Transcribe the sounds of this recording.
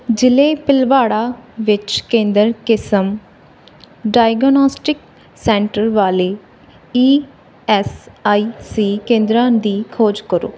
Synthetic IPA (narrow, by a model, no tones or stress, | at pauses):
d͡ʒɪleːpɪlʋaːɽaːʋɪt͡ʃkẽːnd̪əɾkɪsəm | ɖaːɪɡnɔːsʈɪk | sɛ̃ːɳʈəɾʋaːleː | iː | ɛːsaːiːsiːkẽːnd̪ɾãːd̪iːkʰoːd͡ʒkəɾo̰ː